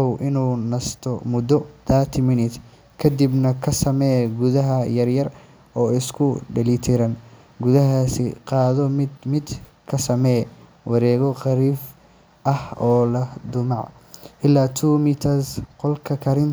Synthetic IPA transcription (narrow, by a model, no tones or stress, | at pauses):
ɔwʔɪnuːnɐst̪ʰɔmʊd̪ɔd̪aːt̪ʰɪmɪnɪt̪ | kʰɐd̪ibnɐkʰɐsɐmɛɡʊðɐɦɐjɐrjɐr | ɔːɪskʰʊɖɐlit̪ʰɪɾɐn | ɡʊðɐɦasɪ̰qɑːðɔmmɪd̪ | kʰɐsɐmɛ | wʔɑɾɛːɣɔqɑɾiːf | ʔɐhɔːlɐd̪ʊmɑʕ | ʔɪlːaːt̪ʰuːmɪt̪ʰɐsqɔlkʰɐkʰɐɾɪn